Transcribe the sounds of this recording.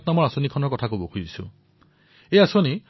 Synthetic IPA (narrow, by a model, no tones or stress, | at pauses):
tnamɔɹasonikʰɔnɔɹkɔtʰakobokʰuzisṵ | ejasoni